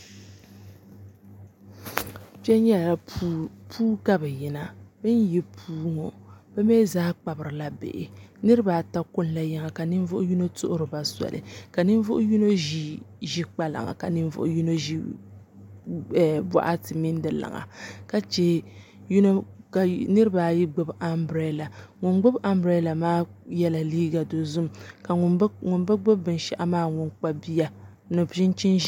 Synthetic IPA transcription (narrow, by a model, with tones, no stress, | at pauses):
pɛ˦ɲɛ˦˨a˨pʰuː˦ka˦bɨ˨ji˨na˨bɨ˦nji˦pʰuː˦ŋo˨b̥ɛ˦meː˦zaː˦k͡pa˨bɨ˨ɾɨ˨la˦bḛ˨ʔɪ˨nɨ˦ɾɨ˦baː˨ta˦ko˦n˦la˨ja˦ŋa˨ka˨nɨ˦ɱ˦vʊ˦ʔʊ˦ju˦no˦tʊ˦ʔʊ˦ɾɨ˨ba˨sa̰˨lʔɨ̰˨ka˨nɨ˦ɱ˦vʊ˦ʔʊ˦ju˦no˦ʒi˦ | ʒi˦k͡pa˦la̰˨ŋa̰˨ka˨nɨ˦ɱ˦vʊ̰˦ʔju˦no˦ʒi˦˨ | ba̰˦ʔa˦tɨ˨mi˦n˦dɨ˨la̰˨ŋa̰˨ka˦t͡ʃe˦ju˦no˦ka˨nɨ˦ɾɨ˦baː˨ji˦ɡ͡bʊ˦ba˦mbɾe˦˨la˨ŋʊ˨nɡ͡bʊ˦bʔa˦mbɾɛ˦la˨maː˦jɛ˦la˨liː˦ɡa˨do˨zʊ˦mka˨˦ŋʊ˨nbɨ˦ɡ͡bɨ˦bbɨ˨nʃɛ˦ʔa˦maː˦ŋʊ˦nk͡pa˦bi˦ja˦ | nɨ˨bʒɪ˦nt͡ʃi˦nʒ